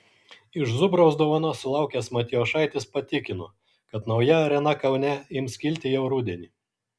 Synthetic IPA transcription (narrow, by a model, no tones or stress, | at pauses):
ɪʃzʊbɾɐʊsd̪oːʋɐnoːsʊlˠɑˑʊkʲɛsmɐt̪ʲɪjoːʃɑˑɪt̪ʲɪspɐt̪ʲɪkʲɪno | kɐt̪nɒʊjɛɾʲɛnɐkɐʊnʲɛjɪmsʲkʲɪlʲt̪ʲɪjɛʊɾuːd̪ʲɛnʲiː